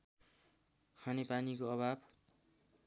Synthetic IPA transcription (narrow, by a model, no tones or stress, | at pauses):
kʰanepanikoʌbʱab